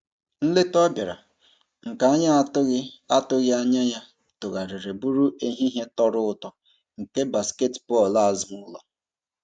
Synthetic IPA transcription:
n̩˦le˦tɔ˦bja˨ɾa̰˨ | ŋ̩˨ka˨a˦ɲa˦ɣa˦tʊ˦ɣɪ˦a˦ɲa˦ɲa˦ | tʊ˨ɣa˨ɾɪ˨ɾe˨bu˦ɾu˦ʔe˦ɦi˦ɦe˦tɔ˦ɾʊ˦ʊ˦tɔ˨ | ŋ̩˨ke˦ba˨ske˦tbɔ˦˨la˦˨zmʊ˦la̰˨

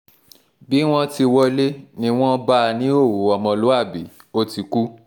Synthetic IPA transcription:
bi˨˦w̃ɔ̃˦ti˧wɔ˧le˦nĩ˦w̃ɔ̃˦ba˦˧nĩ˦o˦˨wo˨˦ɔ˨mɔ̃˧lo˨˦a˦˨bi˨˦ | o˧ti˨˧ku˦

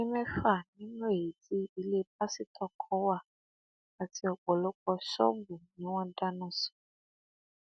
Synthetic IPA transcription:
nĩ˦mɛ̃˦fa˦˨nĩ˦m˦e˨i˨di˦i˧le˦p̚a˦si˦tʰɔ˦˨kʰɔ˨˦wa˦˨ | a˨ti˨ɔ˨ɡ͡bɔ˨lɔ˦k͡pɔ˧ʃɔ̰˦bu˨nĩ˨˦w̃ɔ̃˦da˦nɔ̃˦sɔ̥˨

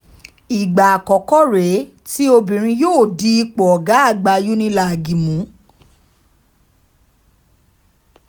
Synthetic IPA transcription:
i˨ɡ͡ba˨a˨kɔ˨kɔ˦ɾe˨˦ | ti˦o˧bĩ˨ɾ̃ĩ˧joː˦˨di˧˦i˧k͡pɔ˨ɔ˨ɡa˨˦a˦˨ɡ͡ba˧˦ju˦nĩ˦˧la˦˨a˨ɡi˨mũ˨˦

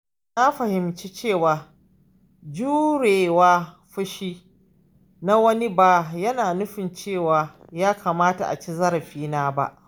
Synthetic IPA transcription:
na˦ɸɐ˨hɪ˨mt͡ʃi˦t͡ʃeː˦˨waː˨ | d͡ʒuː˦ɽeː˨waː˦ | ɸʊ˦ʃiː˦ | na˦wɐ˦ni˦ba˨jɐ˦naː˨nʊ˦ɸɪ˨nt͡ʃeː˦˨waː˨ | jaː˦kʰa˨maː˦ta̰˨ʔa̰˨t͡ʃi˦zɐ˦ɾɐ˨ɸiː˦naː˦ba̰˦ʔ

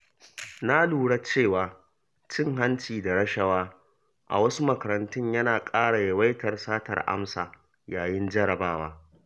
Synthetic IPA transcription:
na˦luː˨ɽa˦t͡ʃeː˦˨waː˨ | t͡ʃɪ˦˨ŋɦa˦nt͡ʃiː˨da˨ɽɐ˦ʃɐ˦waː˦ | ʔa̰˨wɐ˦su˦mɐ˨kɐ˨ɾɐ˨ntʊ˦ɲjɐ˦naː˨kʼaː˦ɽa˨jɐ˨wa˦jtɐ˨rsaː˦tɐ̰˨rʔa̰˦msa̰ː˨ | jaː˨jɪ˦nd͡ʒɐ˦ɽɐ˨baː˦waː˦

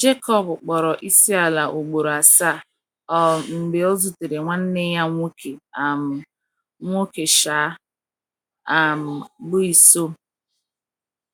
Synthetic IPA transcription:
d͡ʒe˦kɔ˦˨bʊ˨k͡pɔ˨ɾɔ˨ʔi˦si˦a˨la˨ʔo˨ɡ͡bo˨ɾo˨a˨sa˦˨ | ɔ˨ŋ͡m̩˨ɡ͡be˨o˦zu˨te˨ɾe˨ŋʷa˦n̩˦ne˦ja˦ŋʷo˦ke˨a˨m˨ | ŋʷo˦ke˨ʃaː˨˦ | a˨m̩˨ɡ͡bʊ˦i˨so˦

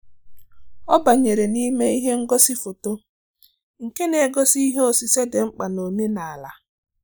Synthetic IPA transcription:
ɔ˦ba˨ɲe˨ɾe˨ni˦me˦i˦ɦe˦ŋ̩˦ɡɔ˦si˦fo˨to˦ | ŋ̩˨ke˦ne˨ɡɔ˦si˦ɦe˦o˦˨si˨se˦de˨ŋ͡m̩˦k͡pa˨no˨me˦na˨a˨la˨

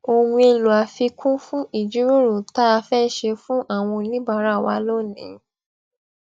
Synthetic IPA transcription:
o˨wũ˧e˧lu˨a˨fi˧kʰũ˦fũ˦i˦˨d͡ʒu˨˦ɾo˦ɾo˨ta˦a˧fɛ˦ʃe˧fũ˦ʔa˦˨w̃ɔ̃˧nĩ˦ba˦˨˦ɾa˦˨wa˧˦lo˦˨nĩ˨˦

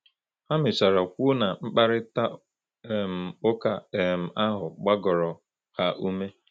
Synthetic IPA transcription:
ha˦mɪ˨sa˨ɾa˨kʷu˦na˨ŋ͡m̩˦k͡pa˦ɾɪ˦ta˦˨ | m̩˨ʊ˦ka˨e˨m̩˨ʔa˦ɦʊ˨ɡ͡ba˦ɡɔ˨ɾɔ˨ | ha˦ʔu˦me˦

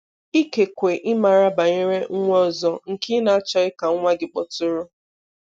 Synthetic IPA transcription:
i˦ke˨kʷe˨ʔɪ˦ma˨ɾa˦ba˨ɲe˦ɾe˦ŋ̩˦ŋʷ˦ɔ˦˨zɔ˦ŋ̩˨kɪ˦na˨a˦t͡ʃɔ˦ɪ˦ka˨ŋ˦ŋʷa˦ɡɪ˨k͡pɔ˨tʊ˦ɾʊ˦

